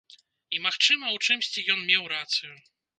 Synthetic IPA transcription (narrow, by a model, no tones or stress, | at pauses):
imaxt͡ʂɨmɐwt͡ʂɨmsʲt͡ɕijɔnmʲɛwɾat̪sɨju